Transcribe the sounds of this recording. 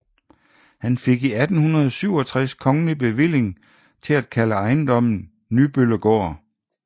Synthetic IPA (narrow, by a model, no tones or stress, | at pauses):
hænfe̝ɡ̥iæd̥n̩hunɐðˠsyʊ̰ɒ̽t͡sʰʁaskʰɒ̽ŋənib̥e̝ʋel̰e̝ŋ | t͡sʰe̝læd̥kʰæləɑ̈ɪnd̥ɒ̽m̰n̩ | nyb̥ølɐɡ̥ɒ̰ː